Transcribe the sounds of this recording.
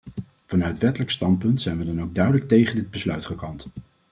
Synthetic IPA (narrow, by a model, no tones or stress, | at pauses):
v̥ɑnœɥətʋɛtələkstɑntpɵntsɛjnʋədɑnowɡ̚dœɥdələk̚tejχəndɪd̚bəslœɥtχəkɑnt